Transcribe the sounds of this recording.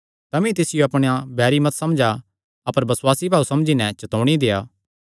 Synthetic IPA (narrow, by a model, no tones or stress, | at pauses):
t̪ɐmĩt̪ɪsɪjoɐpɽ̃ejabɛːɾimɐt̪sɐmd͡ʒa | ɐpəɾbɐswaːsibʱaːusɐmd͡ʒinɛ̃t͡ʃɐt̪oːɽ̃id̪eːjaː